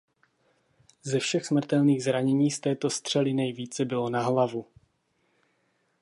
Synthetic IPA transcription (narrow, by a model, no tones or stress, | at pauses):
zɛfʃɛxsmr̩t̪ɛlniːɣzɾaɲɛɲiːst̪ɛːt̪o̞st̪r̝̥ɛlɪnɛjviːt͡sɛbɪlo̞naɦlavu